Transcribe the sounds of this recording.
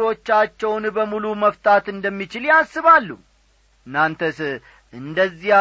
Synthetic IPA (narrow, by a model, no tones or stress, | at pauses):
o̞t͡ʃːat͡ʃːɛwnbəmuluməft̪ʰʼat̪ɨnd̪əmːit͡ʃɪljasːɨβalːu | ɨnːant̪ʰəs | ʔɨnd̪əzːi